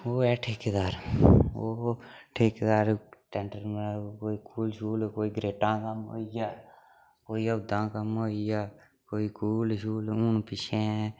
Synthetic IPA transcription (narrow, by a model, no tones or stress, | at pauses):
oːɛːʈʰeːkːd̪aːɾo̰ːʈʰeːkd̪aːɾʈɛɳʈəɾmkoːiːkuːlʃuːlkoːiːɡɾeːʈãːkəmɦo̰ːiaː | koːiːəd̪ãːkəmɦoːijaː | koːiːkuːlʃuːlʊnpɪʃʰẽː